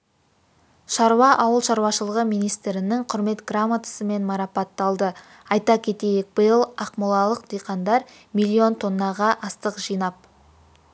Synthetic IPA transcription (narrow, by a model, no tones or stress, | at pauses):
ʃɑɾwɑʔɑwəlˠʃɑɾwɑʃəlˠəʁəmijnijst̪ɾɪnɪŋqʰʊɾme̞t̪ɡramːat̪ʰə̥səme̞nmɑɾɑpɑt̪ːɑlˠd̪ə | ɑjt̪ɑkʲʰe̞t̪e̞jɪk̚bəjəlˠɑqmulˠɑlˠəq̚d̪̥ejqɑnd̪ɑɾ | mijlʲːio̞nt̪ʰo̞nːɑʁɑʔɑst̪əqʒ̥ijnɑp̚